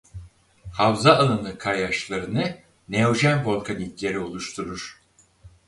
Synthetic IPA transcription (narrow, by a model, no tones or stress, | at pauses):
havzaːlˠɯnɯkʰajaʃlˠaɾɯnɯ | neo̞ʒænbo̞lkʰanit̪ʲlʲe̞ɾio̞lˠuʃt̪ʰuɾuɾ̥